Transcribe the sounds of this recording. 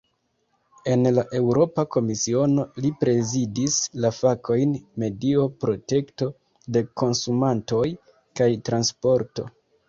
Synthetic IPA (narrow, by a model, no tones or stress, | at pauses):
e̞nlaʔe̞wɾo̞pako̞misio̞no̞lipɾe̞zidislafakʰo̞jnme̞dio̞pɾo̞te̞kto̞ | de̞ko̞nsumanto̞j | kajtɾanspo̞ɾto̞̰